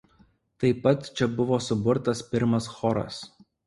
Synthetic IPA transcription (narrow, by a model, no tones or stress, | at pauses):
t̪ɐɪpːɐt̪t͡ʃʲɛbʊʋoːsʊbʊɾt̪ɐspʲɪɾmɐsxɔɾɐ̰s